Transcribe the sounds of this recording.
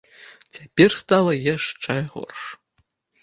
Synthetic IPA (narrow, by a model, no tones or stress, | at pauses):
t͡sʲapʲɛrst̪alˠɐjaʂt͡ʂɛɣɔ̰rʂ